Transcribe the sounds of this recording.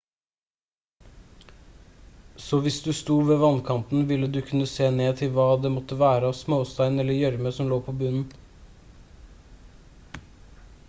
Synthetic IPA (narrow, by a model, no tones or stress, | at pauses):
sɔːʋɪsd̪ʉst̪uːʋeːʋɑnkʰɑnt̪n̩ʋɪlːəd̪ʉkʰʉnːəseːneːt̪ʰɪlʋɑːd̪ɛmɔt̪ːəʋæːɾəɑːʋsmoːst̪æɪnɛlːəjœɾməsɔmloːpʰoːbʉnn̩